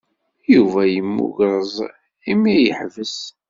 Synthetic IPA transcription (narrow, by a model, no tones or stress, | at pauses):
juvæjəmːṵʝɾˤəzˤ | imijəħvəs